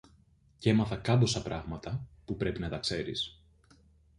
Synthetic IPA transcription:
ce̞mɐθɐkɐd̪o̞sɐpɾɐɣmɐt̪ɐpupɾe̞pinɐt̪ɐkse̞ɾḭs

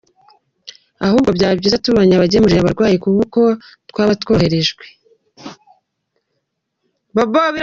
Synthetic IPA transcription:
ahuːbɡo̞bɟaːbɟiːzatuβoɲaβaɟemuɾiɾaβaɾɡwaːjekuβuko̞ | tkwaːβatwo̞ːhe̞ɾe̞ʒɡwe | boboβi

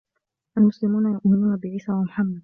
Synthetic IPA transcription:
ʔalmʊslɪmuːnajʊʔmɪnuːnabɪʕiːsaːwamʊħamːad̪̚

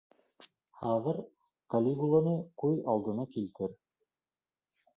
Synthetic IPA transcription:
hɑðɤɾ | kɐlʲiɡulˠonɤkujɑlˠd̪ɤ̆nɑkilt̪ɘɾ

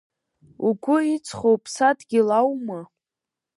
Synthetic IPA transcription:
uɡʷʊit͡sʰʼχowpʰsadʼɡ̥ʲilawma

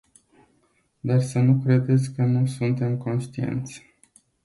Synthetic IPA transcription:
d̪arsənukɾe̞d̪e̞t̪sʲkənusunt̪e̞mko̞nʃt̪iḛnt̪sʲ

